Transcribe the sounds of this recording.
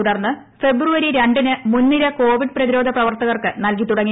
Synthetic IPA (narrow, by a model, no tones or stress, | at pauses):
uɽɐrnːɨ | fe̞bruʋɐɾiɾeɳɖinɨmunːiɾɐko̞ːʋiɖ̚prɐðiɾo̞ːd̪ʱɐprɐʋɐrt̪ɐɣɐrkɨnɐlkit̪ːuɽɐŋːi